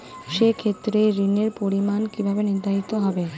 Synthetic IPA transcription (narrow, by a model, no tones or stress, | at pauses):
ʃekʰet̪ːɾeɾineɾpoɾimankibʱabeniɾd̪ʱait̪oɦɔbe